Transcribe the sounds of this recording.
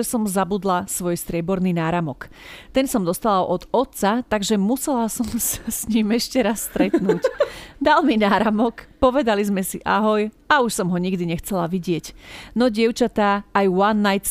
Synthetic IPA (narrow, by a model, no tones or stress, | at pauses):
ɛsɔmzabud̪lasʋɔjst̪ɾɪɛbɔɾniːnaːɾamɔkt̪ɛnsɔmd̪ɔst̪alaʔɔd̪ɔt̪t͡sat̪aɡʒɛmusɛlasɔmsasɲiːmɛʃcɛɾasːt̪ɾɛt̪nuːcd̪alminaːɾamɔkpɔʋɛd̪alizmɛsiʔaɦɔjauʃsɔmɦɔɲiɡd̪iɲɛxt͡sɛlaʋiɟɪɛcnɔɟɪɛʊt͡ʃat̪aːjwanːajt̪